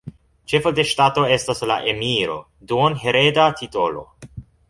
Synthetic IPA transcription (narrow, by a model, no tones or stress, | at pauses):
t͡ʃe̞fodeʃtato̞e̞stasla̰ʔemiɾo̞̰ | duonɦe̞ɾedatʰito̞lo̞̰